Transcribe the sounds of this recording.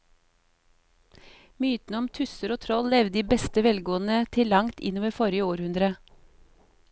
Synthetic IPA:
myːt̪n̩ɔmt̪ʰʉsəɾoːt̪ʰɾɔllɛʋd̪iːbɛst̪əʋɛlɡoːn̩ət̪ʰɪlːɑŋt̪ʰɪ̰noːʋəfɔɾɪəoːɾhʉnd̪ɾə

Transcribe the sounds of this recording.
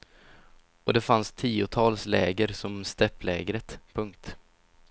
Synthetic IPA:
ɔd̪ɛfanst̪ʰiːʊt̪ʰɑːlslɛːɡəɾsɔmst̪ɛpːlɛːɡɾət̪pʰɵŋk̚t̪

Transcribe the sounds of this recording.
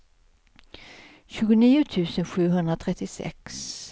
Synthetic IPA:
ɕʉːɡʊniːʊt̪ʰʉ̟ːsənɧʉ̟ːɦɵnd̪ɾat̪ʰɾɛt̪ːɪsɛ̰ks

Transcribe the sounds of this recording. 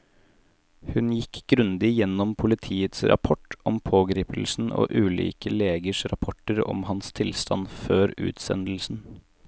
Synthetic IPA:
hʉnjɪkʰɡɾʉnd̪ɪjɛnːɔmpʰʊlɪt̪ʰiːət̪sɾɑ̰pʰɔʈʔɔmpʰoːɡɾiːpl̩sn̩o̰ːʔʉːlḭːkəleːɡəʂɾɑpʰɔʈːəɾɔ̰mhɑnst̪ʰɪlst̪ʰɑnføːɾʉ̰ːt̪sɛ̰nd̪l̩sn̩

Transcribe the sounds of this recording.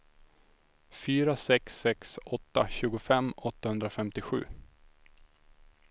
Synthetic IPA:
fyːɾasɛksːɛksɔt̪ːaɕʉ̟ːɡʊfɛmːɔt̪ːahɵnd̪ɾafɛmt̪ɪɧʉ̟̰ː

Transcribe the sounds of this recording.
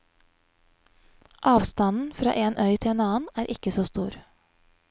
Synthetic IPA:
ʔɑːʋst̪ɑnn̩fɾɑ̰ːʔeːnʔœʏt̪ʰɪeːnɑːən̩æːɾʔɪkəsoːst̪uːɾ

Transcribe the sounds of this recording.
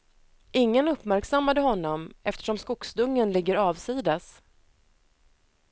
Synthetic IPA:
ʔɪŋːənɵpːmæɾksamːad̪əɦɔnːɔmɛft̪əʂɔmskʊksd̪ɵŋːənlɪɡːəɾɑːvsiːd̪as

